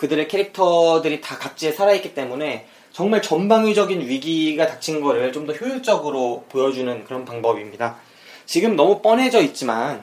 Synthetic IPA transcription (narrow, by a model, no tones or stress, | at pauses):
kɯdɯɾe̞kʰeɾik̚tʰʌdɯɾitakak̚t͡ɕ͈iesʰaɾaik͈it͈e̞mune̞ | t͡ɕʌŋmaɭt͡ɕʌnbaŋɥid͡ʑʌɡinɥiɡiɡatat͡ɕʰinɡʌɾɯɭt͡ɕomdʌçjouɭt͡ɕ͈ʌɡɯɾopojʌd͡ʑunɯnkɯɾʌnpaŋbʌbimɲida | t͡ɕiɡɯmnʌmup͈ʌne̞d͡ʑʌit̚t͡ɕ͈iman